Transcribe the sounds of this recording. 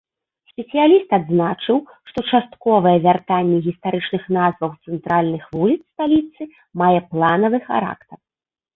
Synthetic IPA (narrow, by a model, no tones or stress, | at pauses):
sʲpʲɛsɨjalʲist̪ad̪znat͡ʂɨw | ʂt̪ɔt͡ʂast̪kɔvɐjɛvʲart̪anʲːɛɣʲist̪aɾɨt͡ʂnɨxnazvɐwt̪sɛnt̪ɾalʲnɨxvulʲit̪sst̪alʲit̪sɨ | majɛplˠanɐvɨxa̰ɾa̰kt̪ɐr